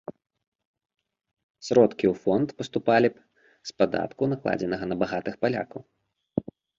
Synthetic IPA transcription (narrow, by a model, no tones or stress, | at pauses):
sɾɔt̪kʲiwfɔnt̪pɐst̪upalʲi | spad̪a̰t̪kunaklˠa̰d͡zʲɛnɐɣɐnɐbaɣat̪ɨxpalʲa̰kɐw